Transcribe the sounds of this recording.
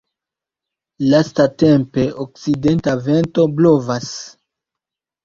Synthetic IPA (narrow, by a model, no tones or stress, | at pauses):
lastate̞mpe̞ok̚side̞ntave̞nto̞blo̞vas